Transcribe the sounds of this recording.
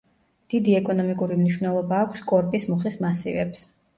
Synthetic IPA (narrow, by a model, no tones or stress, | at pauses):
d̪̥id̪iɛkʼɔnɔmikʼuɾimniʃwnɛlˠɔbaːkʷʰskʼɔɾpʼismuχlismasḭvɛ̰ps